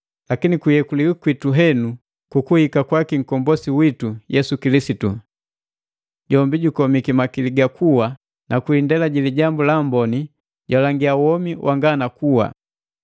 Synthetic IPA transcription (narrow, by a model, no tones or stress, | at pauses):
lakinikujɛkuliwukwituɦɛnu | kukuhikakwakiŋ̩kɔmbɔsiwitujɛsukilisitu | ɟɔmbiɟukɔmikimakiliɡakʰuwa | nʔakuindɛlaɟiliɟambulambɔni | ɟwalaŋɡiawɔmiwʔaŋɡanakuwa̰